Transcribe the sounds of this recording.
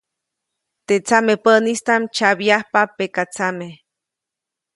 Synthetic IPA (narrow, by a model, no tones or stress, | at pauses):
t̪et͡samepəʔnist̪amt͡ʃabjahpapekat͡same